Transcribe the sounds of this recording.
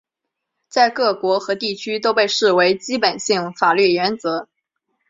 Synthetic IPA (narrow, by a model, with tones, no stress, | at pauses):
t͡sa˥˧ɪkɤ˥˩kwɔ˧˥xɤ˧˥t̪i˥˩t͡ɕʰy˥t̪o˥ʊpe˥˧ɪʂɻ̩˥˩we˧˥ɪt͡ɕi˥pə˨˩nɕi˥˩ŋfa˨˩ly˥˩ɥɛ˧˥nt͡sɤ˧˥